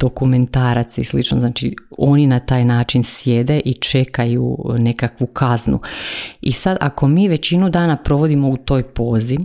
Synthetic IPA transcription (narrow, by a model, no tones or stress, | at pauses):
d̪̥o̞kume̞nt̪aːɾat̪sislit͡ʃno̰znaːt͡ʃio̞ninat̪aːjnaːt͡ʃinsje̞d̪e̞ʔit͡ʃe̞kajṵne̞kakʋukʰaznṵisad̪ʔa̰ko̞miːʋe̞t͡ɕinud̪aːnapɾo̞ʋo̞d̪imo̞ut̪o̞ːjpo̞ːzi